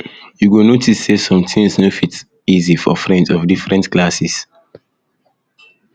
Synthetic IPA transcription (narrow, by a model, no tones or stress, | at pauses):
juɡonotʰissesɔ̃mtʰĩŋsnofit | izifɔfɹɛ̃ndɔvdifɹɛ̃ntklasis